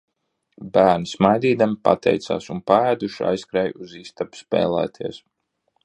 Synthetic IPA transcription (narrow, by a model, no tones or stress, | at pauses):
bæːɾnismajd̪iːd̪ampa̰t̪ʰɛ̰jt̪sa̰ːsunpaæːd̪uʃa̰jskɾɛjuziːst̪apspɛ̰ːlˠɛ̰ːt̪ʰiɛs